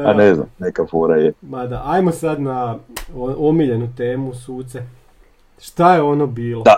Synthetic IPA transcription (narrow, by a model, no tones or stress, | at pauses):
anezna̰mnekafoɾajemad̪aʔajmo̞sad̪naoomiʎe̞nut̪e̞ːmusuːt̪se | ʃt̪ajeo̞nobiːloa